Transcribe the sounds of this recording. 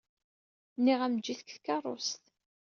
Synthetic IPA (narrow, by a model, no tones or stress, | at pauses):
nːiʁæmd͡ʒːiθkθkːɑrˤːo̰st̪